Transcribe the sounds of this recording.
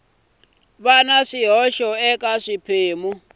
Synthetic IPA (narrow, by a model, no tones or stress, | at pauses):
βanaʂiɦɔʃɔɛkʼaʂipʰeːmu